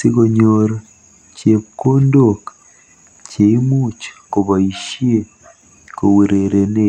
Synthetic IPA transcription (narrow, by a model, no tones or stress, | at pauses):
sikoɲoɾo | ceβkondokḁ | ceimuːt͡ʃḁkoβaiʃie | kowuɾeɾene